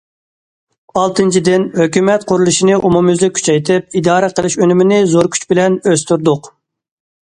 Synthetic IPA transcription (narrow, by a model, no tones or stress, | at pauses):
ɑlˠt̪ʰɨnt͡ʃʰid̪ɪnhøkʲymɛt̪qʰʊɾulˠɨʃinɨʔumumyzɛkʲʰy̥t͡ʃʰɛjt̪ʰɪp̚id̪ɑːɾɛqʰəlˠɪʃønymɪnɪzoɾkʲʰy̥t͡ʃbɪlɛnøst̪yɾd̪ʊq